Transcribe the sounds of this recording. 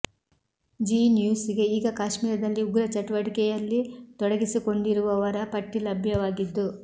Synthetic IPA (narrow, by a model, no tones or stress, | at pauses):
d͡ʒiːnjuːsiɡe̞iːɡɐkaːʃmiːɾɐd̪ɐlːiuɡɾɐt͡ʃɐʈʋɐʈikɛjɐlːit̪ɔɽɐɡisiko̞ɳɖiɾuʋɐʋɐɾɐpɐʈːilɐbʱjɐʋaːɡid̪ːu